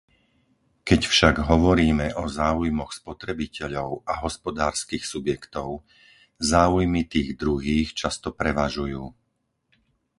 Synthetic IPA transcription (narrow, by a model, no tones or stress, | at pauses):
kɛcfʃaɡɦɔʋɔɾiːmɛʔɔzaːujmɔxspɔt̪ɾɛbicɛʎɔʊaɦɔspɔd̪aːɾskiːxsubjɛkt̪ɔʊ | zaːujmit̪iːɣd̪ɾuɦiːxt͡ʃast̪ɔpɾɛʋaʒujuː